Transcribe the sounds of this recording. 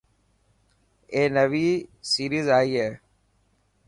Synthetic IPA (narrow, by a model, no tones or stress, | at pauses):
eːnəʋiːsiːɾizaːiːɦeː